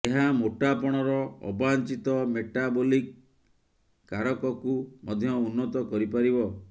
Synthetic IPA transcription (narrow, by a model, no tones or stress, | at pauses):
eɦamoʈapɔɽ̃ɔɾɔɔ̰bant͡ʃit̪ɔmeʈabolik | aɾɔkɔkumɔd̪ʱjɔunːɔt̪ɔkɔɾipaɾibɔ